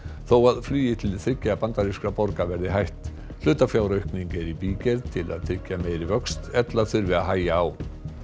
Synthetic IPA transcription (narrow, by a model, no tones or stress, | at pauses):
θowaðflyːjɪt̪ʰɪlθɾɪcːapant̪aɾiskapɔɾkavɛɾðɪɦajht̪ | l̥ʏːt̪afjaːwɾœɥhkniɲcɛɾipiːcɛɾt̪ʰɪla̰ðθɾɪcːameːjɾɪvœkst̪ɛt̪laθʏɾvɪðaɦaːjaːw